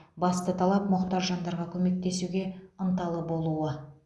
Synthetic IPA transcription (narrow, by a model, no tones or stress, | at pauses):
bɑst̪ət̪ʰɑlˠɑpmʊqt̪ɑʒʒɑnd̪ɑɾʁɑkʲʰɵme̞k̚t̪e̞suɡʲe̞ənt̪ɑlˠəbo̞lˠuə